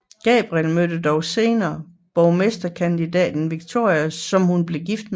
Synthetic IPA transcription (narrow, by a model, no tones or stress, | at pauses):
ɡ̥ɛ̰ːb̥ʁielmød̥əd̥ɒʊse̝ːnɐː | b̥ɒʊmesd̥ɐkʰænd̥idɛ̰ːd̥n̩ʋiɡ̥̚t͡sʰo̝̰ɐ̰jɐsɒ̽mhunb̥le̝ɡ̥ifd̥̚m